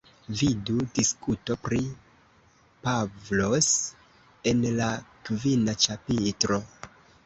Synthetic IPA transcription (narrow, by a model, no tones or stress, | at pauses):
vidudiskuto̞pɾi | pavlo̞s | e̞nlakvinat͡ʃapitɾo̞